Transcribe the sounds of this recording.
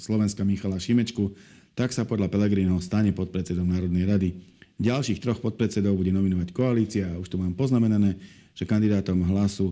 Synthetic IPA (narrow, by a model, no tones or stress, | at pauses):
slɔʋɛnskamixalaʃimɛt͡ʃkut̪aksapɔd̪ʎapɛlɛɡɾiːnɦɔʊst̪aɲɛpɔt̪̚pɾɛt̪t͡sɛd̪ɔʊnaːɾɔd̪nɛjɾad̪iɟalʃiːxt̪ɾɔxpɔt̪̚pɾɛt͡sɛd̪ɔʊbuɟɛnɔminɔʋackɔaliːt͡siauʃt̪umaːmpɔznamɛnanɛː | ʒ̥ɛkand̪id̪aːt̪ɔmɦlasu